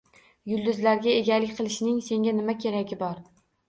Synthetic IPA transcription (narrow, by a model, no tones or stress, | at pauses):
jʊlˠd̪ʊzlaɾɡʲae̞ɡʲalɪkʲqʰɨlˠɪʃnɪŋse̞ŋɡʲanɪmakʲʰe̞ɾaɡʲɪbɒɾ